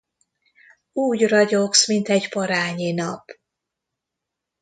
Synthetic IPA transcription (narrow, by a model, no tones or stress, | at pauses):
uːɟrɒɟoksmint̪ɛɟpɒɾaːɲinɒp